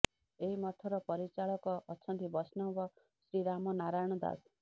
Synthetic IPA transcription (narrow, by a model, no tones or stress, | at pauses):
eimʌt̪ʰʌɾʌpʌɾit͡saɭʌkɔʔːt͡sʰʌnt̪ibʌsnʌwbʌ | sɾiɾamʌnaɾajɳ̃ʌd̪a̰s